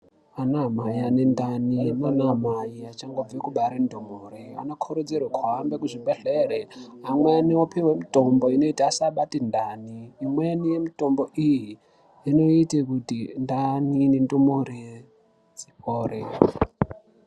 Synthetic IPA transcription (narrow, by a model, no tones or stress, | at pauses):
anamajianendaninonamajiat͡ʃaŋɡob͡vekuɓaɾendomoɾia̰nokʰoɾod͡zirwakʰwaambekuʐiɓeɬereɦamweaniopiwemitomboino̞itaasaɓatindaniːmwenijemito̞mbo̞ʔijiː | no̞itekutindaninindomoɾi | d͡ziɸoːre